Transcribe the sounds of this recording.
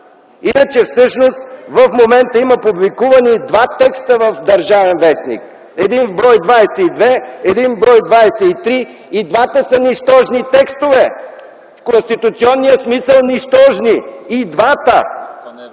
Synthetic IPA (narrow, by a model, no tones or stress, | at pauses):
inət͡ʃɛfsɤʃnost̪vɐfmomɛnt̪əiməpublikuvɐnid̪vat̪ɛkst̪əvəfd̪ɐɾʒavɛnvɛsnḭk | ɛd̪inbɾɔjd̪vajsɛid̪vɛɛd̪inbɾɔjd̪vajsɛit̪ɾiː | d̪vat̪əsəniʃt̪ɔʒnit̪ɛkst̪ovɛ | fkonst̪it̪ut̪siɔnːijəsmisəlˠniʃt̪ɔʒniid̪vat̪ə